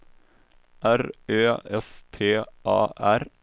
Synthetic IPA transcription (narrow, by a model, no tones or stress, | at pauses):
ʔæɾøːɛst̪ʰeːʔɑːʔæɾ